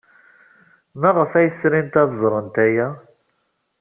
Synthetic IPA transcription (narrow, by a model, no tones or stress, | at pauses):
mæʁfæjəsɾint̪æðzˤɾˤənt̪æjæ